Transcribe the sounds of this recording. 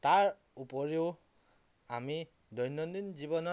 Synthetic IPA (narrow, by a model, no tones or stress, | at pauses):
taɹ | upɔɹeʊ | ami | dɔjnɔndinzibɔnɔ